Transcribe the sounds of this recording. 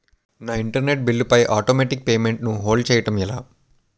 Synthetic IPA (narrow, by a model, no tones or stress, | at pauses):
naːiɳʈɐɾne̞ʈ̚bilːupɐjʔaːʈoːmeːʈik̚peːmeɳʈnuɦoːlɖt͡ʃɛːjɐʈɐmilaː